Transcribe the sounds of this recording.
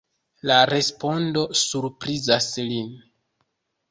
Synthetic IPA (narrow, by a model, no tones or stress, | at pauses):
laɾe̞spo̞ndo̞suɾpɾizaslin